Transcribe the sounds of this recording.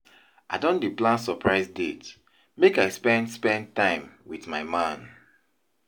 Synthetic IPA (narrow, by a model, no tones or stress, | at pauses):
ʔaɪdõndiplãnsɔpʰɹaɪzdet | mekaɪspɛ̃ndspɛ̃nd̚tãɪ̃mwiθmaɪmãn